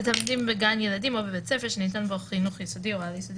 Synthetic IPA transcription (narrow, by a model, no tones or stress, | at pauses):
etamdimbeɡanjeladimobebet͡sefeʃenitanboχinuχjɛsodioaljesodi